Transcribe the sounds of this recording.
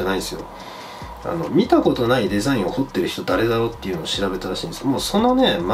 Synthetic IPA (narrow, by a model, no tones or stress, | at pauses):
anaiesɨjo̞̰ | a̰no̞̰mʲit̪ako̞t̪o̞naid̪e̞zaĩɰ̃o̞ho̞t̪ːe̞ɾɯ̟çi̥t̪o̞d̪aɾe̞d̪aɾo̞ːt̪ːe̞iɯ̟no̞ːɕiɾabe̞t̪aɾaɕḭ̃ːnd̪esmo̞ːso̞no̞ne̞m